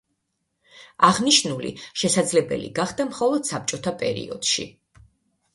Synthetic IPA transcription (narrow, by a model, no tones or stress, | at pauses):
aʁniʃnulḭʃɛsad̪zlɛbɛ̰lḭɡaχd̪amχɔlˠɔd̪̥sap̚t͡ʃʼɔt̪ʰapʼɛ̰ɾḭɔ̰d̪̥ʃḭ